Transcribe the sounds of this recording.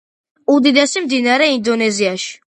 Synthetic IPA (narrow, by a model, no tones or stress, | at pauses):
ud̪id̪ɛsimd̪inaɾɛind̪ɔnɛziaʃi̥